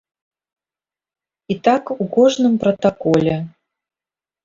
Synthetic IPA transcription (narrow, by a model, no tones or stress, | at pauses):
it̪akukɔʐnɨmpɾɐt̪akɔlʲɛ